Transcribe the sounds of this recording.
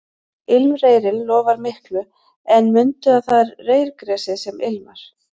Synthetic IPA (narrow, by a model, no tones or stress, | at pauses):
ɪlmreːjɾɪllɔːvaɾmɪhklʏ | ɛnmʏnt̪ʏaðθaðɾreːjɾkɾɛːsɪsɛmɪlma̰ɾ̥